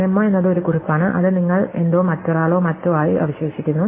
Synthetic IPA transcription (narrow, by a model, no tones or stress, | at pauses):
emːoːe̞nːɐðɨo̞ɾukuripːaːɳɨʔɐ̰ðɨniŋːɐɭe̞nd̪o̞ːmɐtːoraːɭo̞ːmɐtːoːaːjiʔɐ̰ʋɐɕʋeːɕikʲːunːu